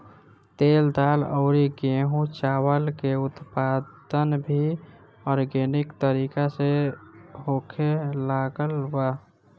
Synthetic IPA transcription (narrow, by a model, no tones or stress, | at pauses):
t̪eːld̪aləʊɾiɡeɦũt͡ʃaːwəlkeut̪pad̪ənbʱi | ɔɾɡenikt̪əɾikase | ɦokʰelaɡəlba